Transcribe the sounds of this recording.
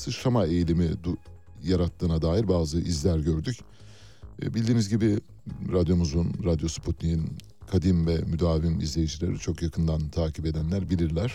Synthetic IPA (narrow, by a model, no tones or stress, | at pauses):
sɯʃamae̞jilʲimid̪ | jaɾat̪ʰːɯːnad̪aːjiɾbaːzɯʔizlʲæɾɟø̞ɾd̪ycː | bilʲd̪iːnizɟibi | ɾad̪jo̞muzunɾad̪jo̞spʰut̪nijin | kʰad̪imvɛmyd̪aːvimizlʲe̞jid͡ʒilʲeɾit͡ʃʰo̞kjakʰɯnd̪ant̪ʰaːcʰipe̞d̪ænlʲæɾbilʲiɾlʲæɾ̥